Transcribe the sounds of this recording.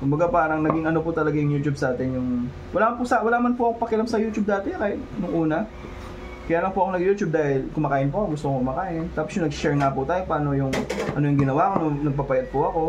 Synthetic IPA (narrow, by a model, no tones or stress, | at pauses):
kʊmbɐɡapaːɾɐŋnɐɡiŋɐno̞pʊt̪ɐlɐɡajʊŋjuːt͡ʃubsaːt̪ɪnjʊŋ | wɐlaːmɐnpʊsɐwɐlaːmɐnpʊʔɐkopɐkɪlamsɐjuːt͡ʃub̚d̪aːt̪ɛkaːhɪt̪̚nʊŋʔuːnɐ | kɐjaːlɐŋpʊʔɐkonɐɡjuːt͡ʃub̚d̪aːhɪlkʊmɐkaːʔɪnpʊʔɐkoɡʊst̪okʊmɐkaːʔɪnt̪aːposjʊŋnɐɡʃɛɹŋapʊt̪aːjopaːno̞jʊŋʔɐnojʊŋɡɪnɐwakononɐɡ̚papɐjɐd̪̚pʊʔɐko̞